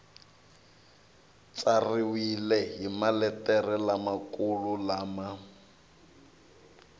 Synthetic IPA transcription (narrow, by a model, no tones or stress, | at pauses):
t͡sʼariwilɛɦimalɛtʼɛrɛlamakululaːma